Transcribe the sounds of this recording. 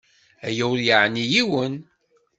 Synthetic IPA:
æjæwljəʕnijiwən

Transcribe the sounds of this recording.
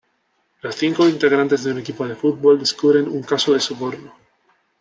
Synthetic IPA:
losθiŋko̞int̪eɣɾant̪e̞zðeune̞kipoð̞e̞fut̪̚βo̞ld̪eskuβɾe̞nuŋkasoðe̞soβoɾno

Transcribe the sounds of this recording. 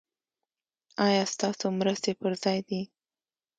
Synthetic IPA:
ɑjɑst̪ɑsomɾəst̪epəɾzɑjd̪i

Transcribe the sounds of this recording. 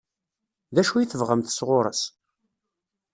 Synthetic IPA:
ðæʃujiθəvʁəmθsʁʊɾˤə̰s

